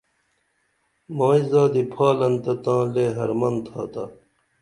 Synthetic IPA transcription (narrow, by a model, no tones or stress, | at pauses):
maːizaːd̪ipʰaːlɐnt̪ɐt̪ãːleːɦɐɾmɐnt̪ʰa̰ːt̪a